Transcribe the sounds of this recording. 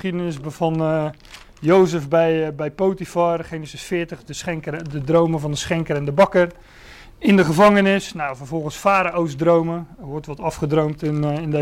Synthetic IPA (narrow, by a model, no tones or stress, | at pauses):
χidənɪsbvɑn | jowsəfbɛjbɛjpowtifarχejnəsɪsfɪːtəχdəsɛŋkədədrowməvɑndəsχɛŋkəɾɛndəbɑkər | ɪndəχəvɑŋənɪsnawvərvɔlˠχənsfaːɾaowzdrowməəʋɔɹtʋɔtɑfχədrowmtɪnɪnd